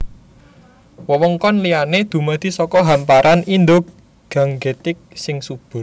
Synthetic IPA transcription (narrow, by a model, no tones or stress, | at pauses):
wəwəŋkɔnlijaned̪̥ṳmad̪̥i̤sɔkɔɦampaɾʔanind̪ʊk̚ | ɡ̥ä̤ŋɡe̤t̪ɪk̚sɪŋsub̥ʊ̤r